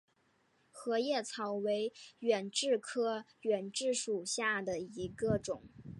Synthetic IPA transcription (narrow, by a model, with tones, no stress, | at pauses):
xɤ˧˥jɛ˥˩t͡sʰɑ˧˥ʊwe˧˥ɪɥɛ˨˩nʈ͡ʂɻ̩˥˧kʰɤ˥ | ɥɛ˨˩nʈ͡ʂɻ̩˥˩ʂu˨˩ɕja˥˩d̪ə˩i˧˥ɡə˧ʈ͡ʂʊ˨˩˦ŋ